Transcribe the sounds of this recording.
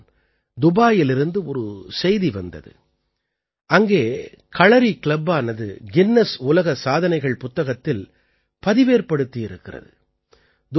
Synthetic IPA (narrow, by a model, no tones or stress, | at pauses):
d̪ʊbaːjɪlɪɾɯnd̪ɯɔɾɯsɛjðiʋɐnd̪ɐ̰ðɯ̰ | ʔɐŋɡeː | kɐɭɐɾikɪɭɐbaːnɐðɯ̰ɡɪnːɐsʊlɐɣɐsaːðɐnɐɪɣɐɭpʊt̪ːɐɣɐt̪ːɪl | pɐðɪʋeːɾpɐɽɯt̪ːijɪɾɯkːɪrɐ̰ðɯ | d̪